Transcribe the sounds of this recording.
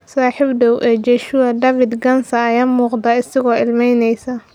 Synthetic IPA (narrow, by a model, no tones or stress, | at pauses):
saːħibd̪ɐwʔɛːd͡ʒɛʃuːɐd̪ɐːfɪd̪ɡɐnsɐːjaːmuːqd̪ɐɪsɐɣɔːɪlmɛjnɛjsɐ